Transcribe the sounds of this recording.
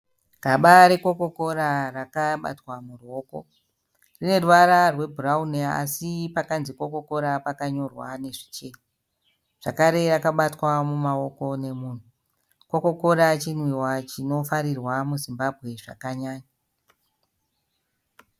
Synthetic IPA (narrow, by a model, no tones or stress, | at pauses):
kaɓaɾeko̞ko̞ko̞ɾarakaɓa̰twamuruo̞ːko̰ | rine̞ruʋaɾarwe̞bʱuraunea̰sipakanziko̞ko̞ko̞ɾapakaɲo̞rwane̞ʐi̥t͡ʃe̞ːɲa | ʐ̥akaɾe̞rakaɓatwamumao̞ko̞ne̞muːn̤u | ko̞ko̞ko̞ɾat͡ʃinwiwat͡ʃino̞faɾirwamuzimbabʱɣe̞ʐa̰kaɲaːɲa